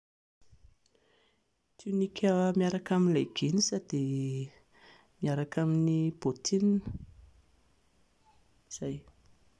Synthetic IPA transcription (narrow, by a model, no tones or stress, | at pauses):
t̪inikʲawmiaɾakaminlajɡ̥enisad̪̥e | miaɾakaminib̥ot̪ʰin | iz̥aj